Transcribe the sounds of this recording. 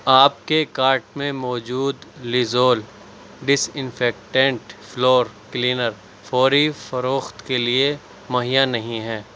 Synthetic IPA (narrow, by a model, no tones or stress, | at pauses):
aːpkekaːɾʈmẽmɔːd͡ʒuːd̪lɪzoːl | ɖɪsɪ̃nfɛːk̚ʈɛ̃ɳʈflɔːɾkliːnəɾ | fɔːɾifɐɾoːxt̪kelie | mɐɦijanɐɦĩɦɛː